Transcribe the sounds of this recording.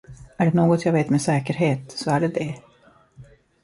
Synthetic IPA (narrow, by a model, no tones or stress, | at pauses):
æɖɛnoːɡɔt̪jaːɡveːt̪meːsɛːkəɾɦeːt̪sɔæɖɛd̪ɛ